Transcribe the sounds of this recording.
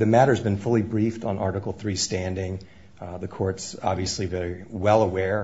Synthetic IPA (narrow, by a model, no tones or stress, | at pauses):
ðɨmæɾə˞zbɨ̃nfʊlˠibɹiftn̩ʔɑɹɾɨkl̩ˠθɹistæ̃ndɪ̃ŋ | ðɨkʰɔɹtsɑ̰bviɨslivɛɹiwɛlˠəwɛɹ